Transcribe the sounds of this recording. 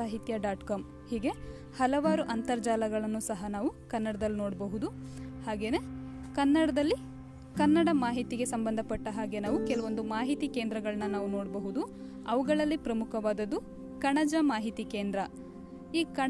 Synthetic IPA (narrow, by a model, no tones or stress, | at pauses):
aːɦit̪jɐɖaːʈkaːm | hiːɡe̞ | hɐlɐʋaːɾuʔɐnt̪ɐɾd͡ʒaːlɐɡɐɭɐnːusɐɦɐnaːʋukɐnːɐɽɐd̪ɐlːinoːɽbɐɦud̪u | haːɡe̞ːne̞ | kɐnːɐɽɐd̪ɐlːi | kɐnːɐɽɐmaːɦit̪iɡe̞sɐmbɐnd̪ʱɐpɐʈːɐɦaːɡe̞naːʋukɛlɐʋo̞nd̪umaːɦit̪ikeːnd̪ɾɐɡɐɭɐnɐnaːʋuno̞ːɽbɐɦud̪u | ɐʋuɡɐɭɐlːipɾɐmukʰɐʋaːd̪ɐd̪ːu | kɐɳɐd͡ʒɐmaːɦit̪ikeːnd̪ɾɐ | iːkɐ